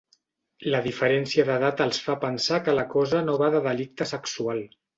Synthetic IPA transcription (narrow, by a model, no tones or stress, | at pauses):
ləðifəɾɛnsiəðəðat̪əlˠsfapənsakələkɔzənoβaðəðəlik̚t̪əsəksualˠ